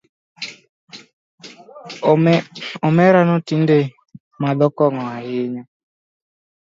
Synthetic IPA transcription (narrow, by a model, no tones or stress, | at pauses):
ɔmɛɾanɔtinde | mad̪ɔkɔŋɔahɪɲa